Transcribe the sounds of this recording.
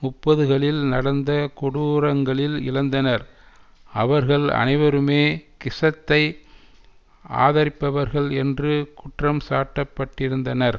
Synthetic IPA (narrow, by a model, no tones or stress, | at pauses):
mʊpːɐðɯɣɐɭɪlnɐɽɐnd̪ɐkʊɽuɾɐŋɡɐɭɪlɪ̰lɐnd̪ɐnɐɾ | ɐʋɐɾɣɐɭɐ̰nɐɪʋɐɾɯmeːkɪsɐt̪ːɐɪ | a̰ːðɐɾɪpːɐʋɐɾɣɐɭɛndrɯkʊʈrɐmsaːʈːɐpːɐʈːɪɾɯnd̪ɐnɐɾ